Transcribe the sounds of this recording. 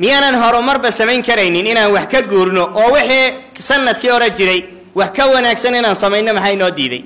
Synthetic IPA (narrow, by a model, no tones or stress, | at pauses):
mɪjaːnɐːnɦɔɾʊmɐrbɐsɐmɛjŋkʰɐɾɛjnɪnɪnaːnwɑħkʰɐɡuːrnɔʔɔːwɪħiː | sɐnːɐd̪kʰiːhɔɾɛt͡ʃɪɾɛj | wɑħkʰɐwɐnaːɡsɐnɪnaːnsɐmɛjnːɔmɐħɑjnɔːd̪ḭːðɛ̰j